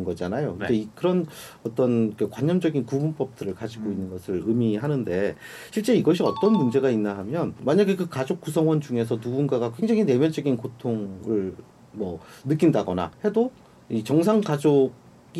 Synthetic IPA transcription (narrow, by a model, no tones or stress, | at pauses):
nɡʌd͡ʑanajokɯnd͡ʑe̞ikɯɾʌn | ʌt͈ʌnkɯkwaɲːʌmd͡ʑʌɡinkumunp͈ʌp̚t͈ɯɾɯɭkad͡ʑiɡoinːɯnɡʌsʰɯɭɯmiɦanɯnde̞ɕʰiɭt͡ɕ͈e̞iɡʌɕʰiʌt͈ʌnmund͡ʑe̞ɡainːaɦamjʌnmaɲaɡekɯkad͡ʑok̚k͈usʰʌŋwʌnd͡ʑuŋe̞sʰʌnuɡunɡaɡakwe̞ŋd͡ʑaŋine̞mjʌnd͡ʑʌɡinkotʰoŋɯɭ | mʌnɯk̬͈indaɡʌna̰he̞do | it͡ɕʌŋsʰaŋkad͡ʑoɡ̚ | i